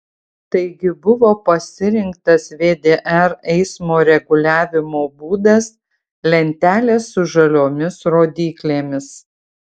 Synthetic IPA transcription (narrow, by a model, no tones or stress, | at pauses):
t̪ɐɪɡʲɪbʊʋoːpɐsʲɪɾʲɪŋkt̪ɐsʋʲeːd̪ʲeːʔɛɾɛɪsmoːɾʲɛɡʊlʲæːʋʲɪmoːbuːd̪ɐs | lʲɛnʲt̪ʲæːlʲeːsːʊʒɐlʲoːmʲɪsɾoːd̪ʲiːklʲeːmʲɪs